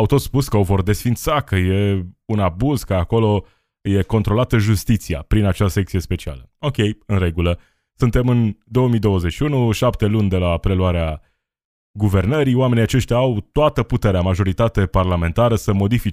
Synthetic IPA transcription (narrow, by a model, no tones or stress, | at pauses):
awt̪o̞t̪spuskəo̞vo̞rd̪e̞sfint̪sakəje̞unabuzkəako̞lo̞ | je̞ko̞nt̪ɾo̞lat̪əʒust̪it̪sia̰pɾinat͡ʃasekt̪sije̞spe̞t͡ʃia̰ləo̞kʲe̞jɨnre̞ɡulə | sunt̪e̞mɨnd̪o̞wəmijd̪o̞wəze̞ʃiunuʃapt̪e̞lunʲd̪e̞lapɾe̞luaɾea | ɡuve̞rnəɾioame̞nijat͡ʃe̞ʃt̪ʲaawt̪oat̪əput̪e̞ɾeamaʒo̞ɾit̪at̪e̞parlame̞nt̪aɾəsəmo̞d̪ifit͡ʃ